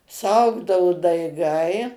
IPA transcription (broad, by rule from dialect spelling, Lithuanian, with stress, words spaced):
sʊˈɐʊɡdɐʊ dɐɪˈɡɐɪ